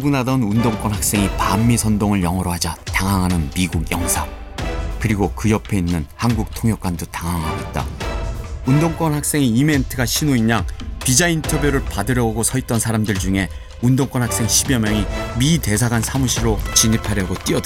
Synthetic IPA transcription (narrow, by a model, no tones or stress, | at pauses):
uɡunadʌnundoŋk͈wʌnɦak̚s͈e̞ŋipamːisʰʌndoŋɯɭjʌŋʌɾoɦad͡ʑataŋɦaŋɦanɯnmiɡuɡjʌŋsʰa | kɯɾiɡokɯjʌpʰe̞inːɯnhanɡuk̚tʰoŋɦjʌk͈andotaŋɦaŋɦaɡoit̚t͈a̰ | undoŋk͈wʌnhak̚s͈e̞ŋiːme̞ntʰɯɡaɕʰinoiɲaŋpid͡ʑaintʰʌbjuɾɯɭpadɯɾjʌoɡosʰʌit͈̚ʌnsʰaɾamdɯɭd͡ʑuŋe̞ | undoŋk͈wʌnhak̚s͈e̞ŋɕʰibjʌmjʌŋimite̞sʰaɡansʰamuɕʰiɾot͡ɕiɲipʰaɾjʌɡot͈iʌt